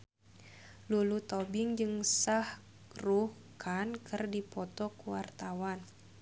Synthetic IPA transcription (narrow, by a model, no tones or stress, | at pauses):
lulut̪ɔbɪŋd͡ʒɨŋsah | ruhkʰankʰɨrdipɔt̪ɔkuwart̪awan